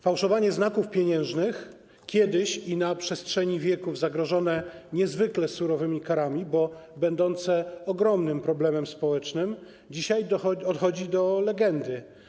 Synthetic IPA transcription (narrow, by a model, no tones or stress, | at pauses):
fawʂɔvaɲɛznakufpʲjeɲɛ̃w̃ʐnɘx | kʲjɛd̪ɘɕinapʂɛstʂɛɲivʲjɛkuvzaɡɾɔʐɔnɛɲɛzvɘklɛsuɾɔvɘmʲikaɾamʲibɔbɛnd̪ɔnt̪sɛɔɡɾɔmnɘmpɾɔblɛmɛmspɔwɛt͡ʂnɘm | d͡ʑiɕajd̪ɔt̪xɔd͡ʑid̪ɔlɛɡɛnd̪ɘ